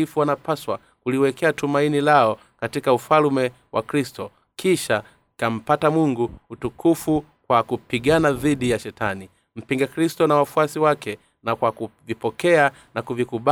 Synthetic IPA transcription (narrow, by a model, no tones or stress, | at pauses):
ifuwanapaswa | kuliwɛkɛatumainilaɔ | katikaufalmɛ | wʔa̰kɾistɔ | kiʃa | kam̩patamuŋɡuutukʰufu | kwakupiɡanaðiɗijaʃɛtani | m̩piŋɡakɾistɔnawafuasiwakɛ | nakwakuvipɔkɛa | nakuvikuɓa